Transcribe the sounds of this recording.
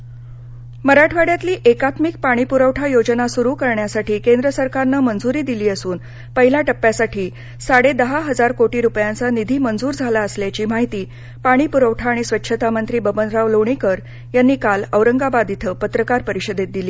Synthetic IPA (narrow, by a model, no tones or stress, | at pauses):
məɾaʈʰʋaɽjat̪liːʔekat̪mik̚paɽ̃ipuɾəʋʈʰajod͡zənasuɾukəɾɳjasaʈiːkend̪ɾəsəɾkaɾnəmənd͡zuɾiːd̪iliːəsuːn | pəɦilaʈəpːjasaʈiː | saɽed̪əɦaɦəd͡zaɾkoʈiːɾupjant͡sanid̪ʱiːmənd͡zuːɾd͡zʱalaəsljat͡ɕiːmaɦit̪iː | paɽ̃iːpuɾəʋʈʰaːɽ̃isʋətːɕʰət̪amənt̪ɾiːbəbənɾaʋləʋɳ̃ikəɾ | janːiːkaləʋɾəŋɡabad̪it̪ʰəpət̪ɾəkaɾpəɾiɕəd̪et̪̚d̪iliː